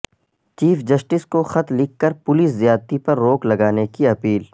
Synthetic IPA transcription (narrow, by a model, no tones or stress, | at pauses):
t͡ʃiːfd͡ʒɐsʈɪskoxɐt̪lɪkːɐɾpʊliːs̬zijaːd̪t̪ipɐɾːoːklɐɡaːnekiɐpiːl